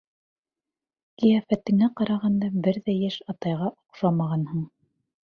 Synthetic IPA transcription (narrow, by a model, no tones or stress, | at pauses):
kijæfæt̪ɘ̆ŋæqɑɾɑʁɑnd̪ɑbɘɾðæjæʃɑt̪ɑjʁɑʔoqʃɑmɑʁɑnhɤɴ